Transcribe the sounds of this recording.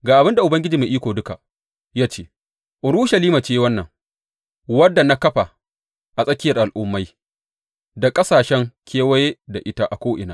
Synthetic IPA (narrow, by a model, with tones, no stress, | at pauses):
ɡaː˨ʔa˨bɪ˦nda˨ʔʊ˨bɐ˦ŋɡʲɪ˦d͡ʒiː˨me˨ʔiː˦kʷoː˨dʊ˦ka˨ | jaː˦t͡ʃeː˦ | ʔʊ˨ɾu˦ʃɐ˨liː˦maː˨t͡ʃeː˦wɐ˦nːɐ˨ŋ | wɐ˦dːa˨na˦kɐ˦ɸa˨ | ʔa˨sʼɐ˦kʲɪ˦jɐ˨rʔa˨lʔʊ˦mːa˦j | da˨kʼɐ˦saː˨ʃɛ˦ŋkʲʰeː˦wɐ˦je˦da˨ʔɪ˦ta˦ʔa˨kʷoː˦ʔɪ̰˨naː˦